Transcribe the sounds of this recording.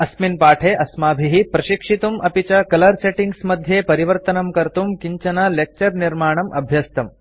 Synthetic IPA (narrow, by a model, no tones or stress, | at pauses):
ɐsminpaːʈʰeʔɐsmaːbʱiɦipɾɐʃikʂit̪umʔɐpit͡ɕɐkɐlɐɾseʈiŋɡsmɐd̪ʱjepɐɾiʋɐɾt̪ɐnɐmkɐɾt̪umkiɲt͡ʃɐnɐlek̚t͡ʃɐɾniɾmaːɳ̃ɐmʔɐ̰bʱjɐst̪ɐm